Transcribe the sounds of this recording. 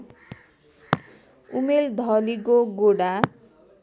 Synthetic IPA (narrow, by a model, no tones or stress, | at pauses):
umeld̪ʱʌlikoɡoɽa